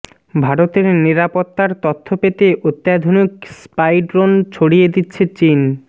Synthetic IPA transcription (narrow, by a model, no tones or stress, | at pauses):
bʱaɾot̪eɾniɾapot̪ːaɾt̪ot̪ʰːopet̪eʔot̪ːjad̪ʱonikspajɖɾont͡ɕʰoɽijed̪itːɕʰet͡ɕin